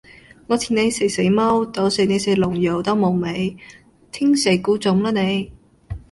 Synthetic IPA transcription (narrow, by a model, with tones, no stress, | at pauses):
ŋɔː˨˧t̪ʰiː˨˩ne˨˧jse˨˩jse˨˥jmɐ˥wt̪o˨˥wse˨˩ne˨˧se˨˥lʊ˨˩ŋjo˨˩wt̪ɐ˥wmo˨˩wme˨˧j | t̪ʰɪ˥ŋse˨˩jkuː˨˥t͡sʊ˨˥mlaː˥ne˨˧j